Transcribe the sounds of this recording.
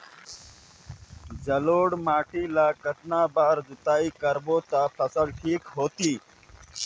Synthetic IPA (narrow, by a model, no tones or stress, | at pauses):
zɐloːɽmaːʈiːlaːkət̪naːbaːɾdʊt̪aːiːkəɾboːt̪aːpʰɐsəlʈʰiːkɦoːt̪iː